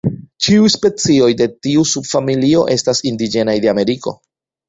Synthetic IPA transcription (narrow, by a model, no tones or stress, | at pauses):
t͡ʃiujspe̞t͡sio̞jde̞tiusubfamilio̞̰ʔe̞stasindid͡ʒe̞najde̞ame̞ɾiko̞̰